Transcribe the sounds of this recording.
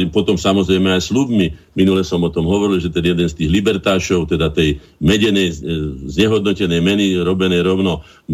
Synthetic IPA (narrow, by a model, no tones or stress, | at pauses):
pɔt̪ɔmsamɔzɾɛjmɛajslubmiminulɛsɔmɔt̪ɔmɦɔʋɔɾilʒɛt̪ɛnjɛd̪ɛnst̪iːɣlibɛɾt̪aːʃɔʊt̪ɛd̪at̪ɛj | mɛɟɛnɛjzɲɛɦɔd̪̚nɔcɛnɛjmɛniɾɔbɛnɛjɾɔʊnɔ